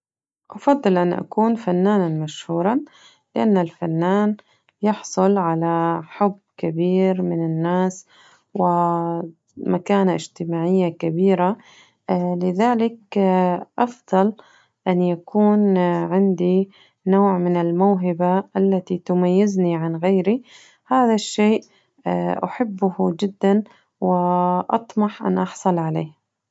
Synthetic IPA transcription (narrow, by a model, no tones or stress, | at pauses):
ʔɑfɑd̪ˤːɨlʔanʔa̰kuːnfanːaːnanmaʃhuːɾˤɑ | lɪʔanːalfanːaːn | jɪħsˤʊlʕalaħʊbːkabiːɾmɪnɪnːaːs | wɪ | makaːnaʔɪ̰ʒt̪ɪmaːʕɪjːakabiːɾa | lɪðaːlɪk | ʔɑfðˤɑl | ʔanjakʰuːnʕɪnd̪i | noːʕmɪnɪlmawɦɪbaʔalːat̪it̪ʊmajːɪzniʕanɣeːɾi | haːðaʃːeːʔ | ʔa̰ħɪbːʊhd͡ʒɪd̪ːan | wɪʔɑ̰t̪ˤmɑħʔa̰nʔɑħsˤɑlʕalḛːh